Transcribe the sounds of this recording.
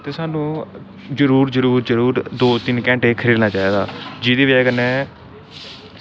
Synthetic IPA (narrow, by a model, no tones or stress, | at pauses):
t̪eːsaːnũː | d͡ʒəɾuːɾd͡ʒəɾuːɾd͡ʒəɾuːɾd̪oːt̪ɪnkɛ̃ːɳʈeːkʰəɾiːd̪naːt͡ʃaːiːd̪aːd͡ʒɪd̪eːʋɛːɡənɛ̃ː